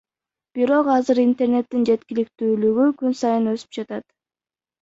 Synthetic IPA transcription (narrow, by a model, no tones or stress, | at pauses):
b̥iɾo̞qɑzɯɾint̪e̞ɾne̞t̪ːind͡ʒe̞t̪kʲilikt̪yːlyɡykynsɑjɯnø̞sy̥p̚d͡ʒɑt̪ɑt̪